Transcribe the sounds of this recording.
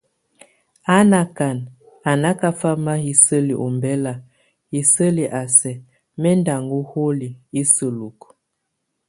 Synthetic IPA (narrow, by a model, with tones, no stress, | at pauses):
a˦na˨ka˨n | a˨na˦ka˦fa˦ma˦hi˨sə˦li˨ʔɔ˨mbɛ˦la˨ | hi˨sə˦li˨ʔa˨sɛ˨ | mɛ˦nda˨ŋɡu˦ho˦li˨i˦sə˨lu˨k